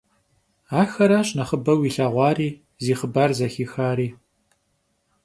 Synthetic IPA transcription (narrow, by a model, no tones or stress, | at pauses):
aːxɐɾaːɕnɐχəbɐwiːɬaːʁʷɑːɾiː | ziːχəbaːrzɐxiːxaːɾiː